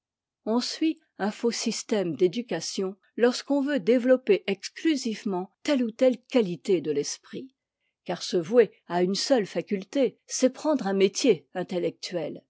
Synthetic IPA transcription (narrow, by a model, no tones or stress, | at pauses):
ɔ̃sɥi | ɛ̃fosist̪ɛmd̪ed̪ykʲasjɔ̃ | lɔʁskɔ̃vød̪evlɔpeʔɛksklyzivmɑ̃t̪ɛlut̪ɛlkʲalit̪ed̪əlɛspχi | kaʁsəvwe | aynsœlfakʲylt̪esɛpχɑ̃d̪ʁɛ̃met̪jeɛ̃t̪elɛk̚t̪ɥɛl